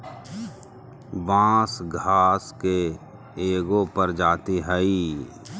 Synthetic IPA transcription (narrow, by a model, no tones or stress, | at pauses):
bãːsɡʱaːske | eːɡõpəɾd͡ʒaːt̪iɦɛi